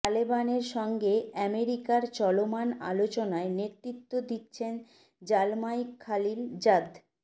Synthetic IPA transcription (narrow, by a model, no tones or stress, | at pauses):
t̪alebaneɾʃɔŋɡeɛmeɾikaɾt͡ɕɔlomana̰lot͡ɕonaeneɾt̪ɾit̪ːod̪itːɕʰen | d͡ʑalmajkʰːalild͡ʑad̪